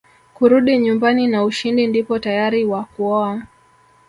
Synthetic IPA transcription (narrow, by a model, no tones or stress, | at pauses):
kuɾuɗiɲumbaninauʃindindipɔtajaɾiwakuɔa